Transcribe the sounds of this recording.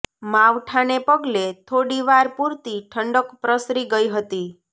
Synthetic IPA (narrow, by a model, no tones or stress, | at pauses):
maʋʈʰanepəɡlet̪ʰoɽiʋaɾpuɾt̪iʈʰəɳɖəkpɾəsɾiɡəiɦət̪i